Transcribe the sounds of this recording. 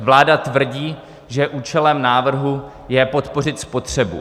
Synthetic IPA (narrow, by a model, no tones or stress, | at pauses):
vlaːdat̪vr̩ɟiː | ʒɛʔuːt͡ʃɛlɛmnaːvr̩ɦu | jɛpo̞t̪po̞r̝ɪt̪spo̞t̪r̝̥ɛbṵ